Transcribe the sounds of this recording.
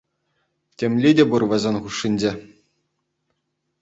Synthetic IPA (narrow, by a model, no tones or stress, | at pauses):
tʲemʲlʲidʲeburʋɘ̆zʲenʲχuʂːinʲd͡ʑe